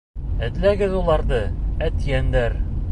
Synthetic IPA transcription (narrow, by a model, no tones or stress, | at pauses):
æd̪læɡɘðulˠɑɾd̪ɤæt̪jænd̪æɾ